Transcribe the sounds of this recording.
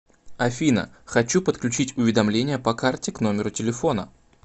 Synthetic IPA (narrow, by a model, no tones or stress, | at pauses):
ɐfʲinə̰ | xɐt͡ɕupət̪klʲʉt͡ɕitʲʊvʲɪd̪ɐmlʲenʲɪjəpɐkartʲɪkno̞mʲɪɾʊtʲɪlʲɪfo̞nə